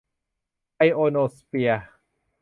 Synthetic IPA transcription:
a˧jʔoː˧noː˧spi˧a

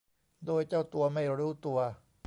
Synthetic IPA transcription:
d̪oː˧jt͡ɕa˥˩wt̪u˧ɐma˥˩jɾuː˦˥t̪u˧ɐ

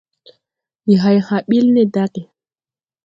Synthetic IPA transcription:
i˨ɦa˨jha˨ɓi˦lne˦da˦ke˨

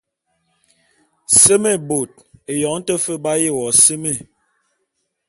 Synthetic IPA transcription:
se˦me˦˨bo˨t̚e˨jɔ˨˦ŋ̩˦tə˦fə˦ba˦je˦˨wɔ˨se˦me˦˨

